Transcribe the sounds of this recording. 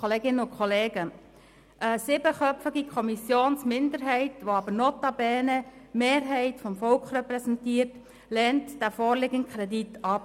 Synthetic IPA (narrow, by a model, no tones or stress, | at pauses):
oleːɡɪnəʊkʰχɔleːɡə | ʔəsɪbəχœpfəɡikʰɔmisjoːnsmɪndəɾɦɛɪtʋoɑbənotɑbɛːnəmeːɾɦɛɪtfɔmfɔlkχrɛpɾɛsɛntiːərt | lɛntd̥æfɔːɾlɪɡənkʰɾɛditɑp